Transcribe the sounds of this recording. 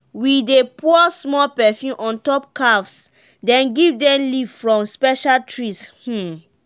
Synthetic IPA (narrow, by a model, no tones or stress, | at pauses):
widepʰuɔsmɔlpɛfjũʔɔ̃ntɔp̚kafs | dɛ̃nɡivdɛ̃mlivfɹɔ̃mspɛʃaltʰɹish̩